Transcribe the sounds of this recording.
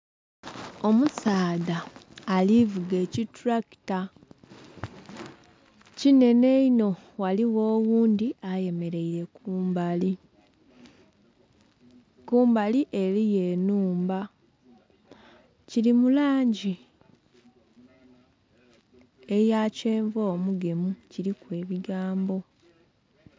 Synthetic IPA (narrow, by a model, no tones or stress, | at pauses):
o̞musaːðaːlivuɡe̞ːcitɾaki̥ta | cine̞ne̞ino̞waliwo̞ːɣuːnd̪iaje̞me̞ɾe̞iɾe̞kuːmbali | kuːmbaliʔe̞ɾije̞ːnuːmba | ciɾimulaːɲɟi | e̞jaceːɱvo̞ːmuɡe̞muciɾikwe̞ːβiɡaːmbo̞